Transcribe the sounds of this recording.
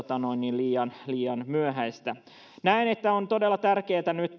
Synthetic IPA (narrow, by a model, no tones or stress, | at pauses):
t̪ɑno̞inːiliːjɑnliːjɑnmyøɦæist̪æ | næinet̪ːæont̪o̞delːɑt̪ærkeːt̪ænyt̪